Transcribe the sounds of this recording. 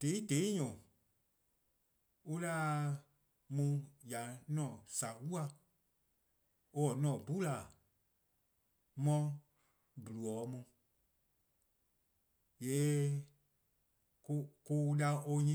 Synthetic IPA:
d̥e˨˦i˦de˨˦ɲɔ̃˨ | u˧la˦ | mũ˧ja˨nɔ̃˦˨sa˨wu˦a˧ | o˧ɔ˨nɔ̃˨bu˦la˨ | mɔ̃˧ | bu˨lu˨ɔː˨˦mũ˧ | jeː˨˦ | ko˧ko˧u˧la˧o˧ɲĩ˦

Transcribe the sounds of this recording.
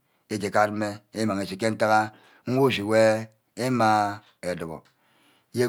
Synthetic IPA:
e˦d͡ʒe˨ka˦˨tme˦e˦ma˨ŋe˨si˨k̬e˦n̩˦ta˦ɣa˦ | ŋ̩˦wo˦˨si˨we˦ | e˦ma˦ | e˨do˨ɣo̰˨˦ | je˦

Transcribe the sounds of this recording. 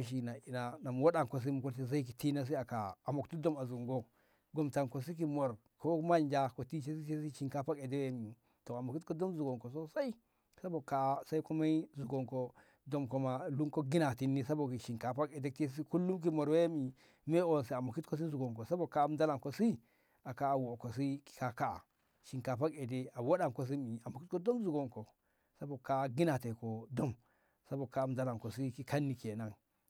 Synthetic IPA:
o˦ʃ̬i˨na˨i˨na˨na˨m˨wo˦ɗa˨ŋko˨s̬i˦mu˨ku˦ti˦za˦i˦k̬i˨ti˦na˦s̬i˦a˨ka˨a˨mo˨ktu˦do˦ma˨zu˨ŋɡo˦ | ɡo˨mta˨ŋko˨si˦k̬i˨mo˨ɾ | ko˦ma˦˨nd͡ʒa˦ko˨ti˦t͡ʃe˦si˦t͡ʃe˦si˦ʃi˨ŋka˨pa˦ke˨de˦we˦mi˨ | to˨a˨mo˨ki˦tko˦do˦mzu˨ɡo˨ŋko˨s̬o˦sa˦i˦ | sa˦bo˨ka˨˦sa˦i˦ko˦ma˦i˦zu˨ɡo˨ŋko˨ | do˨mko˨ma˨lu˦ŋko˦ɡi˦na˨ti˨nːi˦sa˦bo˨ki˨ʃi˨ŋka˨pa˦ke˨de˦ki˦s̬i˦ku˦lːu˦mk̬i˦mo˨ɾwe˦mi˨ | me˦o˨nsi˨a˨mo˨ki˦tko˦s̬i˦zu˨ɡo˨ŋko˨sa˦bo˨ka˦m˦da˦la˨ŋko˨si˦ | a˨ka˨wo˨ko˨s̬i˦ki̥˨ka˨ka˦a̰˨ | ʃi˨ŋka˨pa˦ke˨de˦a˨wo˦ɗa˨ko˨s̬i˦mi˨a˨mo˨ki˦t̚ko˦do˦mzu˨ɡo˨ŋko˨ | sa˦bo˨ka˨ɡi˦na˨te˨ko˨do˦m | sa˦bo˨ka˨m˨da˦la˨ko˨si˦ki˦ka˦nːi˨ke˨na˨ŋ

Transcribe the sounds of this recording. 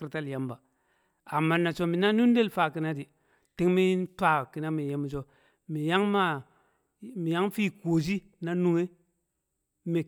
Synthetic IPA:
ɾta˦lja˦mba˨ | a˨mːa˦na˨t͡ʃo˦mi˨na˦nu˦n˦de˦lfa˨ki˨na˦di˨ | ti˦ŋmi˦n˦tʷa˨ki˨na˦mi˨je˦mi˨t͡ʃo˦ | mi˨ja˦ŋma˦ | mi˨ja˦ŋfi˦ko˨s̬i˦ | na˦nu˨ŋe˦ | me˨

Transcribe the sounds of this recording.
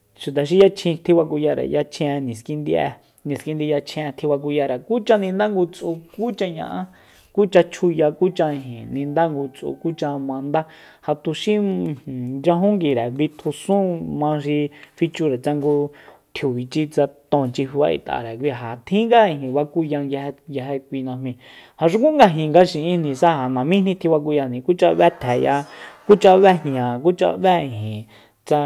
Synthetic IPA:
ʃu˨t̪̬a˨ʃ̬i˧ja˧t͡ʃʰĩ˧t̪ʰi˧βa˧ku˧ja˧ɾḛ˨ja˧t͡ʃʰɛ̃˧nĩ˨ski˧nd̪i˧ʔɛ̰˧ | nĩ˨ski˧nd̪i˧ja˧t͡ʃʰĩ˧ɛ̃˧t̪ʰi˧βa˧k̬u˧ja˧ɾe˨ku˦t͡ʃã˧nĩ˧nd̪a˦ŋɡu˧t͡sʔu˧ku˦t͡ʃa˧ɲã̰˧ʔã˦ | ku˦t͡ʃa˧t͡ʃʰu˧ja˧ku˦t͡ʃã˧ĩ˧ɦĩ˨nĩ˧nd̪a˦ŋɡu˧t͡sʔṵ˧ku˦t͡ʃã˧mã˧nd̪a˦ | ha˧t̪u˧ʃĩ˦˨ | d͡ʒã˧ɦũ˦ŋɡi˨ɾe˨βi˧t̪ʰu˧sũ˦mãː˧ʃi˧fi˧t͡ʃu˧ɾe˨t͡sa˧ŋɡu˧ | t̪ʰju˨βi˨t͡ʃi˧t͡sa˧t̪õ˧˨t͡ʃi˧fi˧βa̰˧ʔḭ˨t̪a̰˨ɾe˨k̬ʷi˧ɦa˨t̪ʰĩ˦ŋɡa˦ĩ˧˨ɦĩ˨βa˧ku˦jã˧ŋja˧hɡja˧ɦe˧kʷi˧nã˧mĩ˧ | ha˨ʃ̬u˦kũ˦ŋɡa˧ɦĩ˨ŋɡa˧ʃĩ˧ʔĩ˦nĩ˧sa˦ha˨nã˨mĩ˦nĩ˦˧t̪ʰĩ˧βa˧k̬u˧jã˧nĩ˨ku˦t͡ʃa˧βɛ˦t̪ʰɛ˨ja̰˧ku˦t͡ʃa˧βɛ˦hã˨ku˦t͡ʃa̰˧βɛ˦ĩ˨ɦĩ˨ | t͡sa˧

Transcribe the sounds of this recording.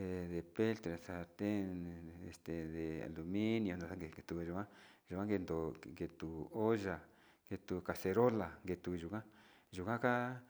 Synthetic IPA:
e˧ðe˨pe˦lt̪ɾa˨sa˧t̪e˦e˨st̪e˨ðe˨a̰˨lu˨mĩ˦nj̃õ˧nã˨˧sa˦ɡe˧e˧t̪u˧ʒu˨kã˦ʒu˨kã˦ŋɡe˧nd̪o˨˧ŋɡe˧t̪u˨o˦ʒa˨ | ŋɡe˧t̪u˧ka˨se˧ɾo˦la˨ŋɡe˧t̪u˧ʒu˨kã˦ | ʒu˨kã˦ka˦

